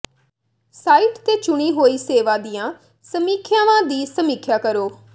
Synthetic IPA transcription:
saːiːʈt̪eːt͡ʃʊɽ̃iːɦoːiːseːʋãːd̪ijãː | səmiːkʰjaːʋãːd̪iːsəmiːkʰjaːkəɾoː

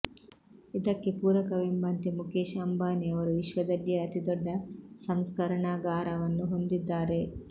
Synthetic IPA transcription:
id̪ɐkːepuːɾɐkɐʋembaːnt̪imukeːʃɐmbaːniɐʋɐɾuʋiʃʋɐd̪ɐlːijɐːt̪id̪ɔɖːɐsɐmskɐɾɐɳaːɡaːɾɐʋɐnːuɦo̞nd̪id̪ːaːɾe̞

